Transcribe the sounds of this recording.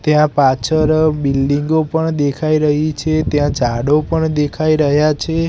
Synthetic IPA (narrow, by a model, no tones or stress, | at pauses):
t̪jãpat͡ʃʰəɾbilɖiŋɡopəɳd̪ekʰaiɾəɦit͡ʃʰet̪jãd͡ʒʱaɽopəɳd̪ekʰaiɾəɦjat͡ʃʰe